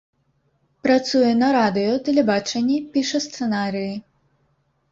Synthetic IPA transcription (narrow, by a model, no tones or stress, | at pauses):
pɾat̪sujɛnɐɾad̪ɨjɔt̪ɛlʲɛbat͡ʂɛnʲːipʲiʂɐst̪sɛnaɾɨji